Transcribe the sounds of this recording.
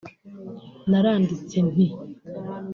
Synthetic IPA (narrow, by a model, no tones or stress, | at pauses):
naɾaːndit͡sen̥i